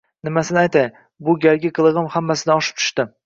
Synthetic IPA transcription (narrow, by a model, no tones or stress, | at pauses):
nɪmasɪnɪajt̪ʰaj | bʊɡʲaɾɡʲɪqʰɨlˠɨʁɨmhamːasɪnɪɒʃɪ̥p̚t͡ʃ̪ʰʊ̥ʃt̪ɪ